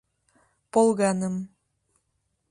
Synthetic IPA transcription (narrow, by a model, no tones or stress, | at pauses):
polˠɣɑnəm